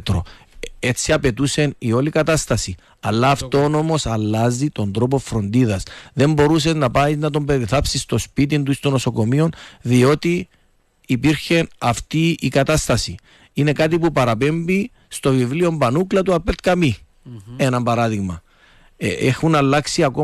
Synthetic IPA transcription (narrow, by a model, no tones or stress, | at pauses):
t̪ɾo | e̞t͡sːiɐpe̞t̪use̞nio̞likɐt̪ɐst̪ɐsi | ɐlːɐːft̪o̞no̞mo̞sɐlːɐzit̪o̞nd̪ɾo̞po̞fɾo̞nd̪iðɐsðe̞mbo̞ɾuse̞znɐpaiznɐt̪o̞mbe̞ɾiθɐpsist̪o̞spit̪̬int̪uist̪onoso̞ko̞mio̞nðio̞t̪iː | piɾçe̞nɐft̪iikɐt̪ɐst̪ɐsi | ine̞kat̪̬ipupɐɾɐpe̞mbi | st̪o̞vivlio̞mbɐnuklɐt̪uɐpet̪kɐmi | enɐmbɐɾɐðiɣmɐ | exunɐlːɐksiɐko